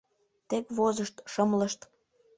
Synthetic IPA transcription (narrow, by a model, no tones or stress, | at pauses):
t̪ekβozəʃt̪ʃɤmləʃt̪